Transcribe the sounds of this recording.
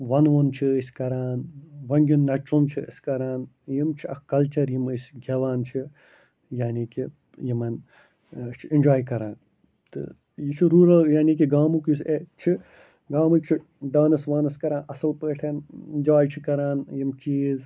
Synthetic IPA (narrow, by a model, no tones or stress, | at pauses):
ʋɐnʋɐnt͡ʃʰiəsʲkɐɾaːnʋɐnɡʲunːɐt͡ʃunt͡ʃʰiə̰sʲkɐɾaːn | jimt͡ʃʰiɐkɐlt͡ʃɐɾjimɨsʲɡʲɐʋaːnt͡ʃʰi | jaːniːkʲi | jimɐn | t͡ʃʰind͡ʒaːjkɐɾaːn | t̪ɨ̰ | jit͡ʃʰuɾuːɾɐljaːnik̬ʲiɡaːmukjuset͡ʃʰi | ɡaːmut͡ʃʰi | ɖaːnɐsʋaːnɐskɐɾaːnɐsɨlpəːʈʰɐnɪnd͡ʒaːjt͡ʃʰikɐɾaːnjimt͡ʃiːz